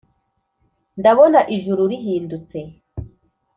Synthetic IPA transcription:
ndaβo̞naʔiʒuɾuɾiɦiːndut͡se̞

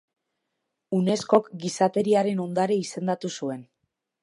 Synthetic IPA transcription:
une̞sko̞kɡisat̪e̞ɾiaɾe̞no̞nd̪aɾe̞ise̞nd̪at̪usue̞n

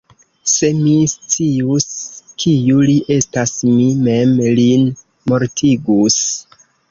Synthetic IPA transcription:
se̞mist͡siuskʰijuliʔe̞stasmime̞mlin | mo̞ɾtʰiɡus

